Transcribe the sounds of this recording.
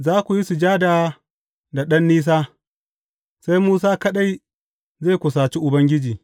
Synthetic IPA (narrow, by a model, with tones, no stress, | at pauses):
zaː˦kʷu˨ji˦su˨d͡ʒaː˦daː˨ | da˨ɗɐ˦nːiː˦s̬aː˦ | sa˦jmuː˦s̬aː˦kɐ˦ɗa˦j | zeː˦˨kʷʊ˨saː˨t͡ʃi˦ʔʊ˨bɐ˦ŋɡʲɪ˦d͡ʒiː˨